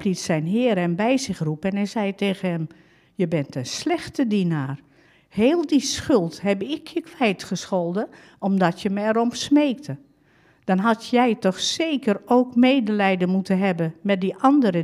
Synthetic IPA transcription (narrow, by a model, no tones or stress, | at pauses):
plitsɛjnɦɪːɾɛmbɛjzɪxrupɛnɛjzɛjteːɣənɦɛm | jəbɛntənslɛxtədinaːr | heːlˠdisxʏlˠtɦɛbɪkʰjəkʋɛjtχəsxolˠdə | ɔmdɔtjəməɛɾɔmsmeːk̚tʰə | d̥ɔnɦɑtjɛjtɔxseːkəroːkmeːdəlɛjdənmutənɦɛbəmɛt̚diʔɑndəɾə